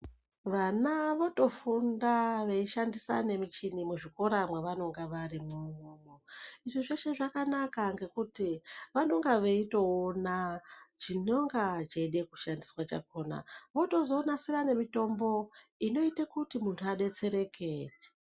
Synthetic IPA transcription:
ʋanaʋo̞to̞fundaʋe̞iʃandisa̰ne̞mit͡ʃinimuʐiko̞ɾamweʋano̞ŋɡaʋaɾimumumoiʐiʐeʃe̞ʐakanakaŋɡe̞kutiʋano̞ŋɡaʋe̞ito̞onat͡ʃino̞ŋɡat͡ʃeiɗe̞kuʃandiswat͡ʃa̰ko̞na̰ʋo̞to̞zo̞nasirane̞mito̞mbo̞ino̞itekutimuntʰuaɗe̞t͡se̞ɾe̞kere

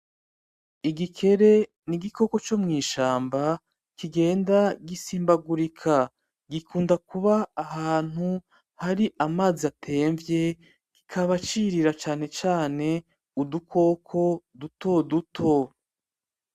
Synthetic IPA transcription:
iɡikʰe̞ɾe̞ | niɡikʰo̞ko̞t͡ʃo̞mŋiːʃaːmba | kiɡe̞ːndaɡisiːmbaɡuɾikʰa | ɡikʰuːndakuβaːɦaːn̥hu | haɾiʔamaːziatʰe̞ːɱvje̞ | ɡ̥ikʰaβat͡ʃiɾiɾat͡ʃaːne̞t͡ʃaːne̞ | udukʰo̞kʰo̞duto̞dutʰo̞

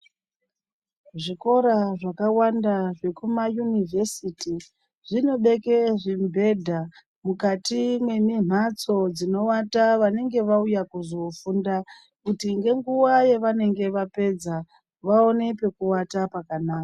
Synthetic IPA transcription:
ʐiko̞ɾaʐakawandaʐe̞kumajunivesiti | ʐino̞ɓe̞keʐimbʱe̞dʱa | mukatimwe̞mim̤at͡so̞d͡zino̞wataʋane̞ŋɡe̞ʋaujakuzo̞funda | kutiŋɡe̞ŋɡuwaje̞ʋane̞ŋɡe̞ʋape̞d͡za | ʋao̞ne̞pe̞kuwatapakanaːka

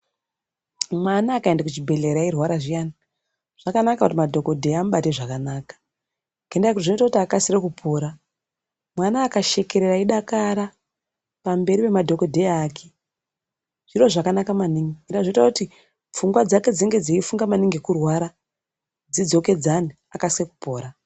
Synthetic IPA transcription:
mwanaːkaendakut͡ʃibʱe̞ɮe̞ɾairwaɾaʐijaːna | ʐ̥akanakakutimadʱo̞ko̞dʱe̞amuɓate̞ʐakanaːkḁ | ɡendakutiʐinoitakutiakasirekupʰoːɾa | mwanaːkaʃe̞ke̞ɾeraiɗakaɾa | pambe̞ɾipe̞madʱo̞ko̞dʱe̞jːkʰe | ʐ̥iro̞ʐakanakamaniŋiɡendaʐoitakuti | fuŋɡwad͡zake̞d͡ziŋɡe̞d͡zaifuŋɡamaniŋɡekurwaɾa | d͡zid͡zo̞ke̞d͡zani | akasireku̥po̞ːɾa

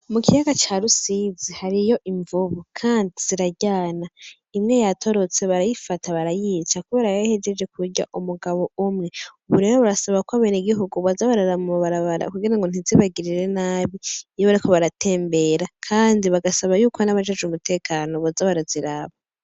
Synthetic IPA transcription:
mukʰijaɡat͡ʃaɾusizihaɾijo̞ʔiɱvuβukʰaːndiz̥iɾaɟaːna | imŋe̞jatʰo̞ɾo̞t͡se̞βaɾajifatʰaβaɾajiːt͡ʃakuβe̞ːɾaβahed͡ʒed͡ʒe̞kʰuɾɟa̰ʔumuɡaβo̞ʔumŋeuβuɾe̞ːɾoβuɾasaβakoaβeniɡiɦuɡuβazaβaɾaɾamuuβaɾaβaɾa̰kuɡiɾaŋɡo̞n̥iziβaɡiɾiɾe̞naːβiijoβaɾikʰo̞βaɾatʰe̞ːmbe̞ɾakʰaːndiβaɡasaβajuːkonaβad͡ʒed͡ʒumute̞ːkʰaːno̞βazaβaɾaziɾaβa

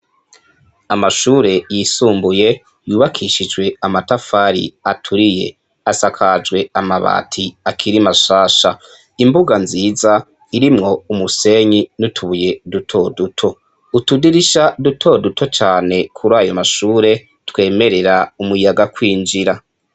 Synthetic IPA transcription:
amaʃuːɾe̞jisuːmbuje̞ | juːβakʰiʃid͡ʒɡwe̞amatafaɾḭatʰuɾije̞̰ | asakʰad͡ʒwe̞amaβa̰ːtʰiakʰiɾimaʃaːʃa | imbuɡanziːza | iɾimŋo̞umuse̞ɲinutʰuβuje̞dutʰo̞dutʰo̞ | utudiɾiʃadutʰo̞dutʰo̞t͡ʃaːne̞kʰuɾaːjomaʃuːɾe̞ | twe̞ːme̞ɾe̞ɾaumujaɡakwiːnd͡ʒiɾa

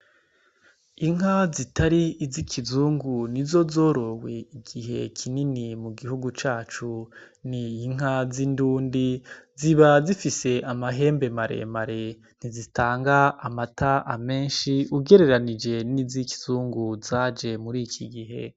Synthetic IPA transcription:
iŋ̥azitʰaɾiːzikʰizuːŋɡunizo̞zo̞ːɾo̞we̞iɡiɦe̞̰kʰininimuɡihuɡut͡ʃaːt͡ʃu | niːŋ̥hazinduːndiziβazifise̞ʔamaɦe̞ːmbe̞maɾe̞̰maɾe̞ | n̥izitaːŋɡaamataʔame̞ːnʃiuɡe̞ɾe̞ɾanid͡ʒe̞niziki̥z̥uːŋɡuzaːd͡ʒe̞muɾiːkʰiɡiɦe̞̰

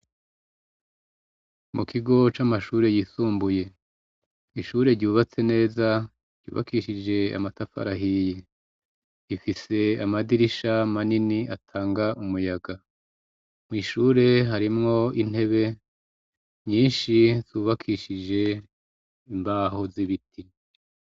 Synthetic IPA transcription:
mʔukʰiɡo̞t͡ʃamaʃuːɾe̞jisuːmbuje̞ | iʃuːɾe̞ɾɟuːβat͡se̞ne̞ːzḁ | ɟṵːβa̰kiʃid͡ʒe̞a̰matafa̰ɾaɦije | jifise̞amadiɾiʃamaniniatʰaːŋɡaʔumujaɡa | mŋiːʃuːɾe̞ɦaɾimŋo̞in̥e̞βe̞ | ɲiːnʃizuːβakʰiʃid͡ʒe̞ | imbaɦo̞ziβitʰi

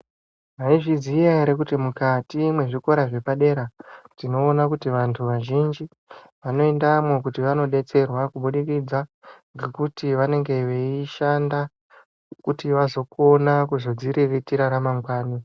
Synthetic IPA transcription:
maiʐizijaɾek̬utimukatimwe̞ʐiko̞ɾaʐe̞paɗe̞ɾad͡zino̞ːnakutiʋantʰuʋaʒind͡ʒi | ʋano̞e̞ndamwokutiʋano̞ɗe̞t͡se̞rwakuɓuɗikid͡zaŋɡe̞kutiʋane̞ŋɡe̞ʋe̞iʃanda | kutiʋazo̞ko̞nakuzo̞d͡ziɾiritiɾaɾamaŋɡwaːni

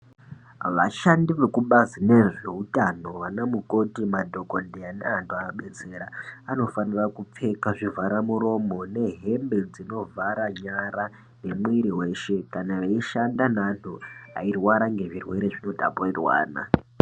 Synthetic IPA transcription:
ʋaʃandiʋekuɓazine̞ʐeutano̞ʋanamuko̞timadʱo̞kondeaneantʰuaoɓe̞t͡se̞ːɾaano̞fanirakup͡fe̞kaʐivaɾamuɾo̞mo̞ne̞ɦe̞mbe̞d͡zino̞vʱaɾaɲaɾa | ne̞mwiɾiwe̞ːʃe̞kanaʋaiʃandanantʰua̰irwaɾaŋɡe̞ʐirwe̞ɾe̞ʐino̞dʱa̰poirwa̰ːna̰

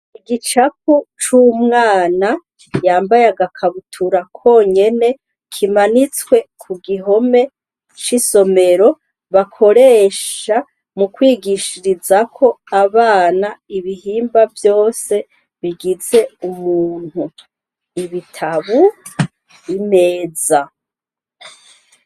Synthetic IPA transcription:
iɡit͡ʃaput͡ʃuːmŋaːna | jaːmbajaɡakʰaβutʰuɾakʰo̞ːɲe̞ne̞ | kʰimanit͡swe̞kʰuɡiɦo̞me̞ | t͡ʃiso̞me̞ɾo̞ | βakʰo̞ɾe̞ːʃa | mukwiːɡiʃiɾizakʰo̞aβaːnaiβihiːmbavjo̞ːse̞ | βiɡize̞umuːn̥hu | iβitʰaβu | ine̞ːza

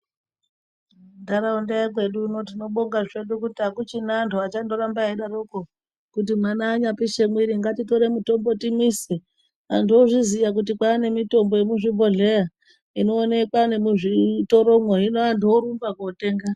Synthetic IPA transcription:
ndaɾaundejak̬we̞ɗuːno̞tino̞ɓoŋɡaʐe̞ɗukutiakut͡ʃinantʰuat͡ʃando̞ɾambaiɗaɾoko | kut̬imanaːɲapiʃe̞mwiɾiŋɡatito̞ɾe̞muto̞mbo̞timise | antuoʐizijak̬ut̬ikwaːne̞mito̞mboje̞muʐimbo̞ɮe̞ja | ino̞ːne̞kwane̞muʐitoɾo̞mwoɦinoantuoɾumbakote̞ːŋɡa

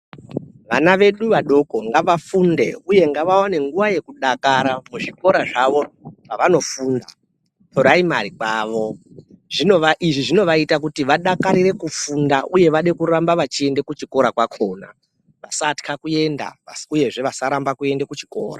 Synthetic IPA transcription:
ʋa̰naʋe̞ɗuʋaɗo̞ko̞ŋɡaʋafunde̞̰uje̞ŋɡaʋawane̞ŋɡuʋaje̞kuɗakaɾamuʐiko̞ɾaʐaʋo̞ʐ̥aʋano̞fuːnda̰ | tʰo̞ɾaimaɾikwaːʋo̞ʐinoʋaʔiʐiʐino̞ʋaitak̬utiʋaɗakaɾiɾe̞kufundaʔuje̞ʋaɗe̞kuɾambaʋat͡ʃie̞nde̞kut͡ʃiko̞ɾakwakʰo̞ːna̰ | ʋasatkʰakue̞nda̰uje̞ʐe̞ʋasaɾambakue̞ndekut͡ʃi̥ko̰ːra̰

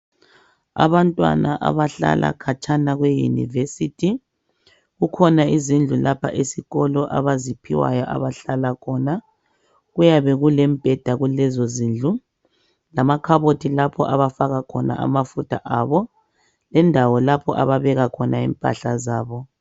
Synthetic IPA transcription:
a̰βantʼwa̰naʔa̰βaɬa̰lʔa̰kʰat͡ʃʼʰanaɣwejṵnḭvesitʰi | ɣukʰɔnaizind͡ɮʱulapʰa̰ʔesiɣɔlɔʔa̰βazipʰiwa̰jɔʔa̰βaɬalakʰɔna | ɣujaβɛɣulɛmb̥ʱɛd̥ʱaɣulɛzɔziːnd͡ɮʱu | lamakʰaβotʰilapʰɔʔaβafaɣakʰɔna̰a̰mafutʰaʔaːβɔ | lɛndʱawɔlapʰɔʔa̰βaβɛɣakʰɔnaḭmpʼa̰ɬa̰zaːβɔ

